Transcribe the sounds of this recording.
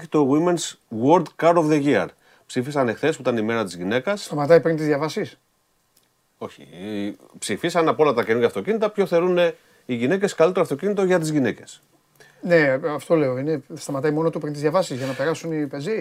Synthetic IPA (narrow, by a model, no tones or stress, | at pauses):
çit̪o̞ɣimenswoɾd̪kɐɾovðe̞ʝiɐ̰ɾ | psifisɐne̞xθesput̪ɐnime̞ɾɐt̪izʝine̞kɐsst̪ɐmɐt̪ɐipɾint̪izðʝɐvɐsis | o̞çḭ | psifisɐnɐpoo̞lɐt̪ɐce̞nuʝeɐft̪o̞cinit̪ɐpço̞θe̞ɾune̞ | iʝine̞ce̞skɐlit̪e̞ɾɐft̪o̞cinit̪o̞ʝɐt̪izʝine̞ce̞s | ne̞ɐft̪o̞le̞o̞inest̪ɐmɐt̪ɐjmo̞not̪upɾint̪izðʝɐvɐsizʝɐnɐpe̞ɾɐsunipe̞zi